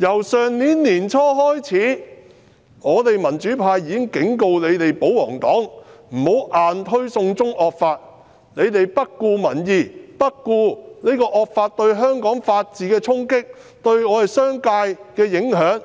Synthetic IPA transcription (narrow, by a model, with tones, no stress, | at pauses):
jɐ˨˩wsœː˨ŋniː˨˥nnːiː˨˩nt͡ʃʰɔː˥ɦɔː˥jt͡sʰiː˨˥ | ŋɔː˨˧t̪e˨jmɐ˨˩nt͡ʃyː˨˥pʰaː˧jːiː˨˧kɪ˥ŋkɪ˨˥ŋko˧wle˨˧jt̪e˨jpo˨˥wɔ̰ː˨˩ŋt̪ɔ̰ː˨˥ŋm̩˨˩ho˨˥wʔaː˨nt̪ʰɵ˥ɥsʊ˧ŋt͡sʊ˥ŋʔɔː˨k̚faː˧t̚ | ne˨˧jt̪e˨jpɐ˥t̚kuː˧mɐ˨˩njiː˨˩pɐ˥t̚kuː˧ni˥kɔː˧ʔɔː˨˧k̚faː˧t̚t̪ɵ˧ɥɦœː˥ŋkɔː˨˥ŋfaː˧t̚t͡siː˨˧kɛː˧t͡sʰʊ˥ŋkɪ˥k̚ | t̪ɵ˧ɥŋɔː˨˧ɾe˨jsœː˥ŋkaː˧jkɛː˧jɪ˨˥ŋɦœː˨˥ŋ